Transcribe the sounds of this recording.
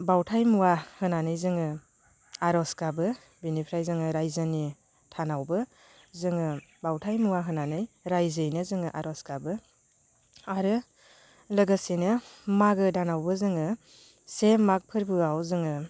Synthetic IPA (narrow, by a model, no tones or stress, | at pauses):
bawtʰajmuwahɯnanɯjzɯŋɯ | aɾɔskabɯ | binipʰɾajzɯŋɯɾajzɯni | tʰanawbɯ | zɯŋɯbawtʰajmuwaɦɯnanɯjɾajzɯjnɯzɯŋɯʔaɾɔskabɯ | aɾɯ | lɯɡɯsinɯmaɡɯdanawbɯzɯŋɯ | semak̚pʰɯɾbɯawzɯŋɯ